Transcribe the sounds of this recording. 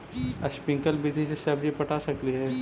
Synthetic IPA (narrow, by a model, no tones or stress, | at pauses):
ɐʃpɪ̃ŋkəlbid̪ʱiseseɐbjepɐʈʰasɐkɾiɦɛː